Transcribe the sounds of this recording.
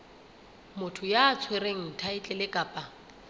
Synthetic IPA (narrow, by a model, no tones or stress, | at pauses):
mʊtʰʊjaːt͡sʰwereŋ̩tʰaɪt͡ɬʼɛlɪkʼaːpʼa